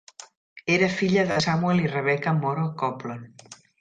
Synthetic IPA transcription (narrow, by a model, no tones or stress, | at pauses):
eɾəfiʎəðəsamuelirəβɛkəmoɾokɔplon